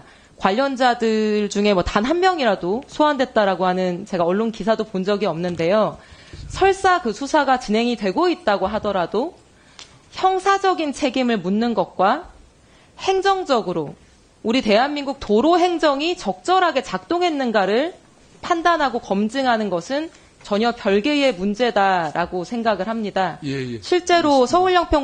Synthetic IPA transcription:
kwaʎːʌnd͡ʑadɯɭd͡ʑuŋe̞mwʌtanɦanmjʌŋiɾadosʰoandwe̞t̚t͈aɾaɡoɦanɯnt͡ɕe̞ɡaʌɭːonkisʰadopond͡ʑʌɡiʌmnɯnde̞josʰʌɭs͈akɯsʰusʰaɡat͡ɕinɦe̞ŋidwe̞ɡoit̚t͈aɡoɦadʌɾado | çjʌŋsʰad͡ʑʌɡint͡ɕʰe̞ɡimɯɭmunːɯnɡʌt̚k͈wa | he̞ŋd͡ʑʌŋd͡ʑʌɡɯɾo | uɾite̞ɦanminɡuk̚toɾoɦe̞ŋd͡ʑʌŋit͡ɕʌk̚t͡ɕ͈ʌɾɦaɡe̞t͡ɕak̚t͈oŋɦe̞nːɯnɡaɾɯɭ | pʰandanɦaɡokʌmd͡ʑɯŋɦanɯnɡʌsʰɯn | t͡ɕʌɲʌpjʌɭɡee̞mund͡ʑe̞daɾaɡosʰe̞ŋɡaɡɯɭhamɲidaɕʰiɭt͡ɕ͈e̞ɾosʰʌuɭːʌŋpʰjʌ

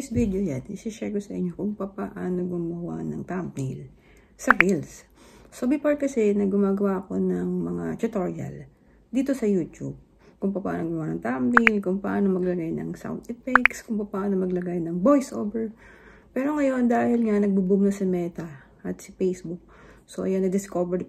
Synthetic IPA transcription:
jsvid̪ojanɪsɪʃɛɡosɐʔɪɲːo̞kʊŋpɐpɐʔaːno̞ɡʊmɐwa̰nɐŋt̪amp̚nil | sɐɡils | sobipaɹt̪̚kɐsɛnɐɡʊmaːɡɐwaɐko̞nɐŋmɐŋat̪ʊt̪o̞ɹiɐ̰l | d̪iːt̪o̞sɐjuːt̪ub̚ | kʊŋpɐpaaːnoɡʊmɐwanɐŋt̪ampnilkʊŋpɐʔaːno̞mɐɡlɐɡajnɐ̰ŋsa̰wnt̪ɪpɛkskʊŋpɐpɐʔaːno̞mɐɡlɐɡajnɐŋbo̞jsʔo̰ːbɛɹ | pɛːɾo̞ŋɐjo̞nd̪aːhɪlŋanɐɡ̚bubumnɐsɐmɛːt̪ɐ | ʔɐt̪sɐpejsbʊk̚so̞ʔɐjanɐd̪ɪskoːbɛɹ

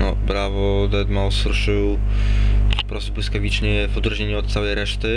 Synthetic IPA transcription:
nɔ̰bɾavɔd̪ɛd̪mawsɾuʂɘw | ɔpɾɔst̪ubwɘskavʲit͡ʂɲɛvɔd̪ɾuʒɲeɲuɔt̪̚t̪sawɛjɾɛʂt̪ɘ

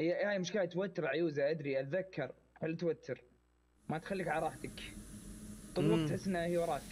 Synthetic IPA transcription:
jahaːjmʊʃkaːjat̪wat̪ːɪɾˤʕajuːzaʔad̪ɾiʔat̪ðakʰːɑɾˤ | halːʔat̪wat̪ːɪɾ | mat̪xalːiːkʕalɾˤɑːħt̪ak | t̪ˤʊlwaɡ̚t̪ħɪsːʔɪnːahijwɑɾˤɑː

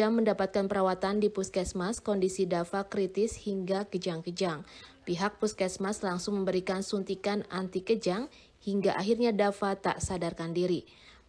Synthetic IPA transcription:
aməndapat̪̚kanpəɾawat̪andipuskɛsmaskɔndisidafakɾit̪ɪshiŋɡakəd͡ʒaŋkəd͡ʒaŋpiɦak̚puskɛsmaslaŋsʊŋməmbəɾikansunt̪ikanant̪ikəd͡ʒaŋ | hiŋɡaʔaɦirɲadafat̪a̰ʔsadarkandiɾi

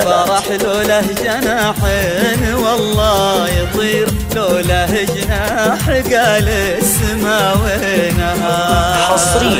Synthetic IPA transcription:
fɑɾˤɑħloːlaɦd͡ʒanaħɪ | nwɑlˤːɑːjɨðˤiːɾ | loːlaɦɪd͡ʒna | ħɪɡaːlɪ | smawe | naɦaħɑsˤɾi

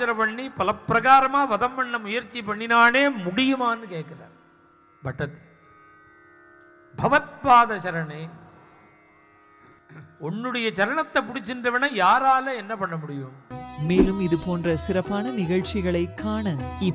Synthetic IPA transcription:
ɐɾɐpɐɳːipɐlɐpːɾɐɣaːɾɐmaːʋɐðɐmːɐɳːɐmʊjɐɾt͡ʃːipɐɳːɪnaːneːmʊɽɪjɯmaːnːɯkeːʈkɪra̰ːɾ | bʱɐʈːɐt̪ːɯ̥l | bʱɐʋɐt̪̚paːðɐɕɐɾɐneː | ɔnːɯɽɐjɐt͡ʃɐɾɐɳɐt̪ːɐpːʊɽɪt͡ʃːɪndrɐʋɐnɐjaːɾaːlɐɛnːɐpɐɳːɐmʊɽɪjɯmmeːlɯmɪðɯpoːndrɐsɪɾɐpːaːnɐnɪɣɐɭt͡ʃɪɣɐɭɐɪkːaːɳɐɪ

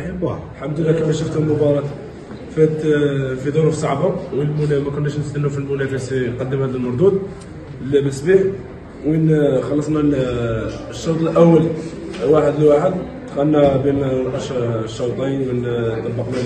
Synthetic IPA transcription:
blħamd̪əlːækæmæʃʊft̪hʊlmʊbɑɾˤɑt̪ | fæt̪fid̪ˤʊɾʊfsˤɑʕbʊmwinmʊmækʊnːæʃnst̪ənːʊfilmʊnæfæsiqɑd̪ːəmhæd̪əlmɑɾˤd̪ud̪̚ | lbəsbiħ | winxɑlːɑsˤnɑ | ʃːɑɾt̪ˤəlʔæwːəlwaħəd̪əlwaħəd̪ | t̪ːxænːæbinæʔʃʃːɑwt̪ˤinmənt̪ˤːɑbːɑqnæ

